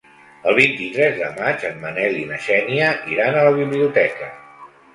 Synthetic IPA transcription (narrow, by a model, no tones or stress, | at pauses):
əlˠβ̞int̪it̪ɾɛzðə̰mad͡ʒəmːənɛlinəʃɛniəʔiɾanələβ̞iβliut̪ɛkə